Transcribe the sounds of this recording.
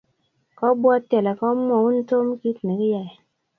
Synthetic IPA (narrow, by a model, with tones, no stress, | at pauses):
kɔ˦bwɔ˦tɛ˨lɛ˨kɔ˦mɔ˨u˦n̩˦to˦m˦ki˦tne˨ki˦ja˨